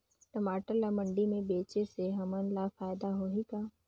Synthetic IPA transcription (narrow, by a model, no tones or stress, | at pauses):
ʈɐmaːʈəɾlamə̃ɳɖimẽbeːt͡ʃeseɦɐmənlafaːjd̪aɦoːɦikaː